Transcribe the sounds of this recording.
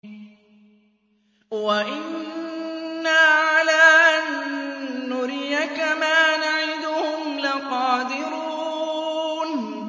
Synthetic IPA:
waʔɪnː | aʕalaːʔanː | ʊɾɪjakamaːnaʕɪd̪ʊhʊmlɪqɑːd̪ɪɾuː | n

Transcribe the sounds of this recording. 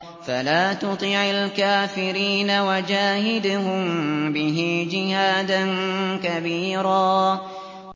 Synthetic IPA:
falaːt̪ʊt̪ˤiʕalkaːfɪɾiːnawad͡ʒaːhɪd̪ʊhʊmbɪɦɪd͡ʒɪhaːd̪ankabiːɾaː

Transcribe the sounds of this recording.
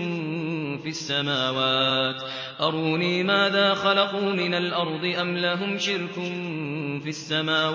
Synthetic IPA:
fiasːamaːwaːt̪ | ʔɑɾˤuːniːmaːðaːxɑlɑquːmɪnalʔɑɾˤd̪ˤɨʔamlaɦʊmʃɪɾkʊnfiasːamaːw

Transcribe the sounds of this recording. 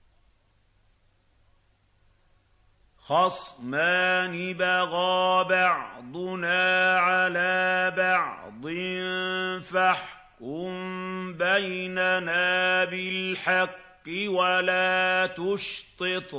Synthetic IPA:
xɑsˤmaːnɪbaɣɑːbɑʕd̪ˤʊnaːʕalaːbɑʕ | d̪ˤɪnfaħ | kʊmbajnanaːbɪlħɑqːɪwalaːt̪ʊʃt̪ˤɨt̪ˤ

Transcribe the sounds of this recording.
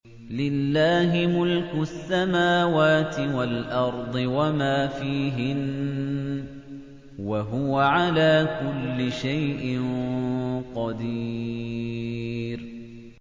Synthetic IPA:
lɪlːaːɦɪmʊlkʊasːamaːwaːt̪ɪwalʔɑɾˤd̪ˤɨwamaːfiːɦɪn | waɦʊwaʕalaːkʊlːɪʃajʔɪn | qɑd̪i | ɾ

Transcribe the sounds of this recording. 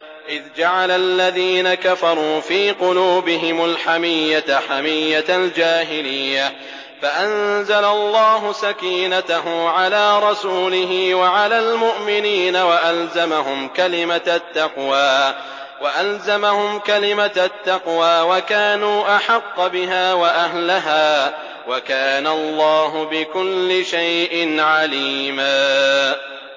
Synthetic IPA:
ʔɪðd͡ʒaʕalalːaðiːnakafɑɾˤuːfiːqʊluːbɪɦɪmalħamɪjːat̪ħamɪjːatld͡ʒaːɦɪlɪjːa | faʔanzalalˤːɑːɦʊsakiːnat̪aɦʊmʕalaːɾˤɑsuːlɪɦɪːwaʕalaːlmʊʔmɪniːnawaʔalzamaɦʊmkalɪmat̪ːɑqwaː | waʔalzamahʊmkalɪmat̪ːɑqwaːwakaːnuːʔaħɑqːbɪɦaːwaʔaɦlaɦaː | wakaːnalˤːɑːɦʊbɪkʊlːɪʃajʔɪnʕaliːmaː

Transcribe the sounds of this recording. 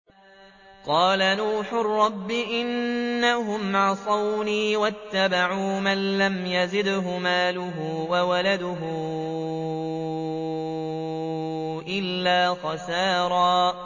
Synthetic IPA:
qɑːlanuːħʊrˤːɑbːɪʔɪnːaɦʊmʕɑsˤɑwniːwat̪ːabaʕuːmanlamjazɪd̪ɦʊmaːlʊɦʊːwawalad̪ʊɦʊ | ʔɪlːaːxɑsaːɾˤɑː

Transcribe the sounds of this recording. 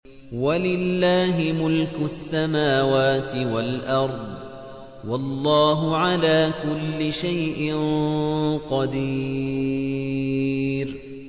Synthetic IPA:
walɪlːaːɦɪmʊlkʊsːamaːwaːt̪ɪwalʔɑɾˤd̪ˤ | wɑlˤːɑːɦʊʕalaːkʊlːɪʃajʔɪn | qɑd̪iː | ɾ

